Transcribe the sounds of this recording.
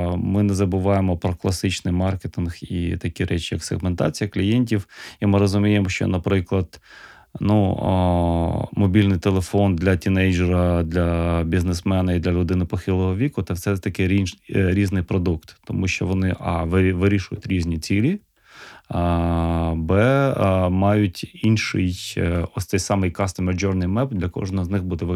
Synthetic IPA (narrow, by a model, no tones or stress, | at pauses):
mɪnɛzɐbʊʋɑjemɔpɾɔklˠɐsɪt͡ʃnɪjmɑrket̪ɪnxḭt̪ɐkʲiɾʔɛt͡ʃijɐksḛɣment̪ɑ̰t͡sʲijɐklʲijenʲtʲiwimɪɾɔzʊmʲijemɔʃt͡ʃɔ̰nɐpɾɪklˠɐd̪̥ | nu | mɔbʲilʲnɪjt̪elˠefɔnd̪lʲɐtʲinɛjʒɛɾɐd̪lʲɐbʲiznesmɛnɐid̪lʲɐlʲʊd̪ɪnɪpɔxɪlˠɔɦɔʋʲikʊt̪ɛfsɛt̪ɐkɪɾiɾʲiznɪjpɾɔd̪ukt̪t̪ɔmuʃt͡ʃɔʋɔnɪʔɑʋʋɪɾʲiʃʊjʊtʲɾʲizʲnʲit͡sʲilʲi | bɛ | mɑjʊtʲinʃɪjɔsʲt̪ɛjʲsɑmɪjkɑst̪ɐmed͡ʒɔrnɪjmɛbd̪lʲɐkɔ̰ʒnɐznɪxbud̪ɛʋ